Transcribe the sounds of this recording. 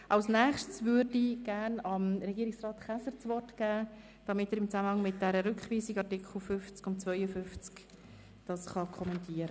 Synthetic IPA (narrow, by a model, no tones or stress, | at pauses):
ʔɑlsnæːχʃtsvʏɾdiɡ̥æːnɑmɾɛɡiːɾɪksrɑːtχæsəɾt͡sʋɔrtɡ̥æː | d̥ɑmɪtəːɾɪmt͡sæməhɑŋmɪt̚d̥ɛɾəɾʏkχʋiːsiɡɑrtɪkχl̩ˠfʏft͡skʊnt̚t͡svœʏəfʏft͡sk | d̥ɑsχɑkʰɔmɛntiəɾə